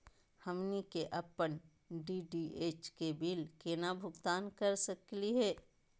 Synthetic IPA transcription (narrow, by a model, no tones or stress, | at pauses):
hɐmnikeʔɐpəɳ | ɖiɖieːt͡ʃkebilkenabʱʊɡt̪aːnkəɾsəkliɦɛː